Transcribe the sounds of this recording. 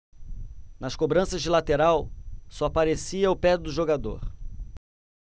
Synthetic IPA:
nɐskobɾɐ̃sɐzd͡ʒɪlat̪eɾawsɔapaɾesiɐʊpɛd̪ʊʒoɡad̪o̰ɾ

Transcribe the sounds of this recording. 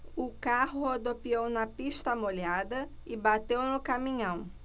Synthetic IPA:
ʊkaɦʊod̪opiownɐpiʃt̪ɐmoʎad̪ɐɪbat̪ewnʊkamĩɲɐ̃w̃

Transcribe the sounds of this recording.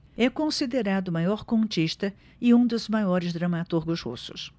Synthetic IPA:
ɛkõsid̪eɾad̪ʊmajɔɾkõnt͡ʃiʃt̪ɐ | ɪũd̪ʊzmajɔɾɪzd̪ɾɐmat̪uɾɡʊshṵsʊs

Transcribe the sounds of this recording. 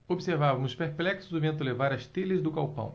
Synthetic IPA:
obiseɾvavɐmʊspeɾplɛksʊzd̪ʊvẽnt̪ʊlevaɾɐst̪elɪzd̪ʊkawpɐ̰̃w̃

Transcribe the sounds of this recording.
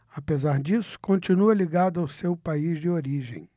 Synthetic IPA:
apezaɾd͡ʒisʊ̥kõnt͡ʃinuɐliɡad̪ʊawsewpaizd͡ʒɪoɾiʒḛ̃j̃

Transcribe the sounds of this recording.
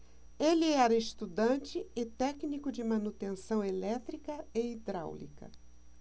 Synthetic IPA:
elɪɛɾɐest̪ud̪ɐ̃t͡ʃɪɪt̪ɛknikʊd͡ʒɪmɐ̃nut̪ẽsɐ̃w̃elɛt̪ɾikɐeid̪ɾa̰wlḭkɐ̰

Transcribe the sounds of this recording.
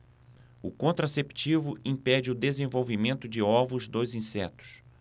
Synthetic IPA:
ʊ̰kõnt̪ɾasept͡ʃivʊʔĩpɛd͡ʒɪʊd̪ezẽvowvimẽnt̪ʊd͡ʒɪɔvʊzd̪ojzĩsɛt̪ʊ̥s

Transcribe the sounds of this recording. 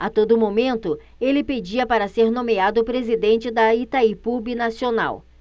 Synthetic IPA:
at̪od̪ʊmomẽnt̪ʊ | elɪped͡ʒiɐpaɾɐseɾnõmiad̪ʊpɾezid̪ẽnt͡ʃɪd̪ɐit̪aipubinasiona̰w

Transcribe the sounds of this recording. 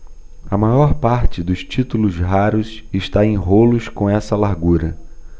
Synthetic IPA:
ɐmajɔɾpaɾt͡ʃɪd̪ʊst͡ʃit̪ulʊzɦaɾʊsɪʃt̪aẽj̃ɦolʊskõɛsɐlaɾɡuɾɐ

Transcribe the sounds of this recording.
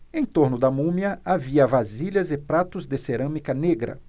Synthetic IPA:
ẽj̃t̪oɾnʊd̪ɐmũmjɐaviɐvaziʎɐzɪpɾat̪ʊzd̪ɪseɾɐ̃mikɐneɡɾɐ̰

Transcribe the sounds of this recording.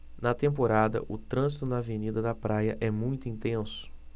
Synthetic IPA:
nɐt̪ẽmpoɾad̪ɐ̰ʔʊt̪ɾɐ̃zit̪ʊnɐːvenid̪ɐd̪ɐpɾʔajɐʔɛmũj̃t̪ʊĩnt̪ẽsʊ̥

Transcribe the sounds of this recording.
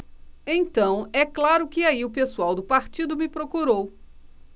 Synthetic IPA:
ẽj̃t̪ɐ̃w̃ɛklaɾʊkɪaiʊpesuawd̪ʊpaɾt͡ʃid̪ʊmɪpɾokuɾow

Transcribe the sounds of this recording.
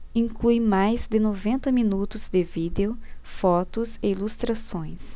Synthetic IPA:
ĩŋklujmajzd̪ɪnovẽnt̪ɐmĩnut̪ʊzd̪ɪvid̪eʊfɔt̪ʊseilust̪ɾasõj̃s

